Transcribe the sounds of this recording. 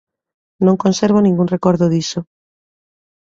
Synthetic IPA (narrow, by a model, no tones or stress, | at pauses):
nõŋkonseɾβ̞onĩŋɡunrekoɾðoðiso